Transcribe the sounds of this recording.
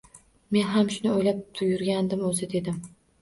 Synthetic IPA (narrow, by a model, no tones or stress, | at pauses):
me̞nɦamʃʊnɪojlap̚t̪ʰʊjʊɾɡʲand̪ɪmɵzɪd̪e̞d̪ɪm